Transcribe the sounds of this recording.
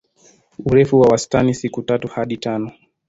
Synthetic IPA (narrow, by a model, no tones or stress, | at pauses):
uɾɛfuwawastanisikutatuhaɗitanɔ